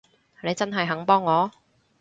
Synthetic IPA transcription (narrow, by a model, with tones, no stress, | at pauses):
ne˨˧jt͡sɐ˥nɦɐ˨jɦɐ˨˥ŋpɔː˥ŋːɔː˨˧